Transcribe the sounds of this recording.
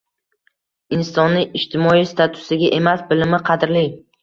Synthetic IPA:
ɪnsɒnːɪʔɪʃt̪ʰɪmɒist̪ʰat̪ʰʊ̥sɪɡʲaʔe̞masbɪlɪmɪqʰɑd̪ɾlɪ

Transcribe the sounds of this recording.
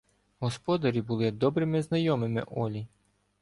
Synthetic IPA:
ɦɔspɔd̪ɐɾʲibulˠɪd̪ɔbɾɪmɪznɐjɔmɪmɪ̰ʔɔlʲi

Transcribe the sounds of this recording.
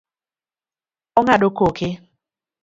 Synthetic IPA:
ɔŋaɗokokɪ

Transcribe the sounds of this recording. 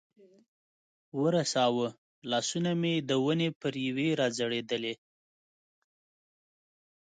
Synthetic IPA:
wəɾasɑwə | lɑsunamed̪əwənepəɾjaweɾɑd͡zaɽed̪əle

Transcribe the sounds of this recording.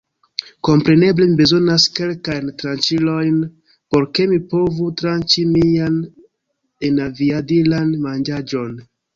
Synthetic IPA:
ko̞mpɾe̞ne̞ble̞mibe̞zo̞naske̞lkajntɾant͡ʃilo̞jn | po̞ɾke̞mipo̞vutɾant͡ʃimian | enaviadilanmand͡ʒad͡ʒo̞n

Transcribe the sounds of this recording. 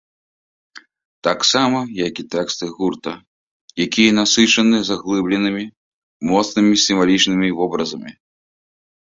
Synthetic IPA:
t̪aksamɐjakit̪ɛkst̪ɨɣurt̪ɐ | jakʲijɐnasɨt͡ʂɐnɨzaɣlˠɨblʲɛnɨmʲi | mɔt̪snɨmʲisʲimvalʲit͡ʂnɨmʲivɔbɾɐzɐmʲḭ

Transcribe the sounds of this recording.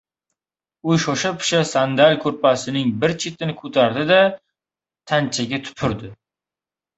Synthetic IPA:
ʊjʃɒʃapʰɪ̥ʃasand̪alʲkʰɵɾpʰasɪnɪŋbɪɾt͡ʃʰet̪ʰɪnɪkʰɵt̪ʰaɾd̪ɪd̪a | t̪ʰant͡ʃʰaɡʲat̪ʰʊ̥pʰɪɾd̪ɪ

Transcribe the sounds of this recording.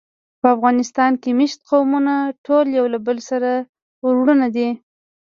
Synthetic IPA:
pəafɣɑnɪst̪ɑnkemɪʃt̪̚qawmunaʈʰoljawlabəlsaɾa | ʊɾwɽənad̪i

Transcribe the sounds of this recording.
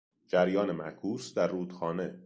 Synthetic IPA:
d͡ʒæɾjɒːne̞mæ̰ɾkʰuːsd̪æɾːuːd̪̥xɒːne̞

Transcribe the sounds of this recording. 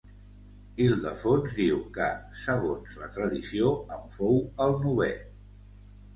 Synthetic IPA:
ilˠd̪əfonzd̪iwkəsəɣ̞onzlət̪ɾəðisioəɱfowəlˠnuβɛ

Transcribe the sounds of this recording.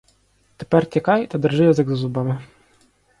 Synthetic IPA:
t̪epɛrtʲɐkɑjt̪ɐd̪ɪrʒɪjɐzɪɡzɐzʊbɑmɪ

